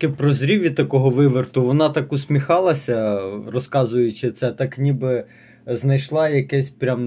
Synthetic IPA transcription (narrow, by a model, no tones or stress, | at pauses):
kɪpɾɔzɾʲiʋʲit̪ɐkɔɦɔʋɪʋert̪ʊʋɔnɑt̪ɑkʊsʲmʲixɑlˠɐsʲɐrɔskɑzʊjʊt͡ʃɪt̪sɛt̪ɑknʲibɪ | znɐjʃlˠɑjɐkɛsʲpɾʲam